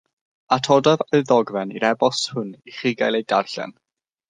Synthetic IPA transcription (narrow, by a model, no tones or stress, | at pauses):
atʰɔdɔvəðɔɡvɛnḭɾɛbɔshʊniχiɡajlˠejdarɬɛ̰n